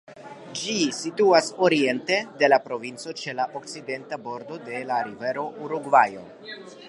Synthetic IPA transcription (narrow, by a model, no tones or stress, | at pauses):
d͡ʒisituaso̞ɾie̞nte̞de̞lapɾo̞vint͡so̞t͡ʃe̞laʔok̚t͡side̞ntabo̞ɾdo̞de̞laɾive̞ɾo̞ʔuɾuɡvajo̞̰